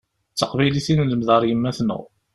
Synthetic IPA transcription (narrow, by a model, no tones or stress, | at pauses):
t͡sːəqvæjliθinləmðəɾˤjəmːæθnə̰ʁ